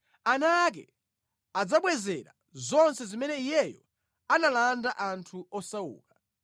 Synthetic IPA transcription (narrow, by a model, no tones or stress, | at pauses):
anak̬ɛ̰ | ad͡zaɓwɛzɛɾa | zɔnsɛzimɛnɛijɛjɔ | analandaʔantʰuɔsaṵːka